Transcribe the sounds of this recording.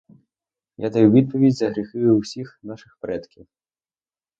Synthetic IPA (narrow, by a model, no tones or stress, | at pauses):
jad̪ɐjuvʲid̪̚pɐʋʲid͡zʲzɐɣɾɨxɪjʊwsʲixnaʃɨxpɾɛt̪kʲiw